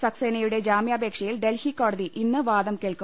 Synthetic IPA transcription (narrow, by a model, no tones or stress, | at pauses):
sɐksenɐjuɽe̞d͡ʑaːmjaːbʱeːkʂɐjilɖe̞lhikːo̞ːɽɐðiʔinːɨʋaːd̪ɐmkeːɭku